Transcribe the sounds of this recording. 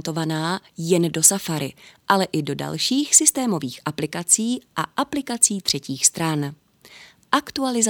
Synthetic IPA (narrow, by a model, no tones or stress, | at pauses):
nt̪o̞vanaː | jɛndo̞safaɾɪʔalɛʔɪdo̞da̰lʃiːxsɪst̪ɛːmo̞viːxʔaplɪkat͡siːʔa̰ʔaplɪkat͡siːt̪r̝̥ɛciːxst̪ɾan | ʔakt̪ualɪz